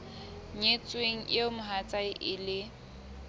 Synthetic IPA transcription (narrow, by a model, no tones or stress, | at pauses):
ɲet͡sʼweŋ̩jemʊɦat͡sʼaɪʔɪlɪ